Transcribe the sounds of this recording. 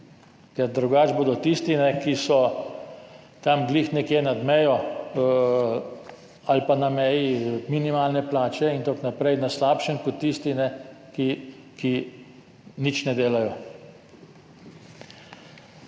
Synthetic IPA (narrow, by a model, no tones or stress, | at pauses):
kɛɾd̪ɾuɡaːd͡ʒboːd̪ɔt̪ist̪inɛkisɔ | t̪amɡliːxnɛkjeːnad̪mɛjɔ | alpanamɛːjiminimaːlnɛplaːt͡ʃɛint̪aknapɾɛjnaslaːpʃənkɔt̪ːiːst̪inɛki | ki | nit͡ʃnɛd̪eːlajɔ